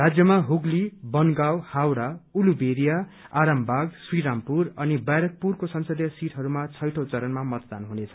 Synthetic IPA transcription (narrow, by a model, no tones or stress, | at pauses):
rad͡zjʌmaɦuɡlibʌnɡawhawɽaulubeɾija | aɾʌmbʱaɡswiɾampurʌnibajɾʌk̚purkosʌnsʌd̪jʌsiʈʰɦʌɾumat͡sʰʌjʈʰowt͡sʌɾʌnmamʌt̪d̪anɦunet͡sʰʌ̥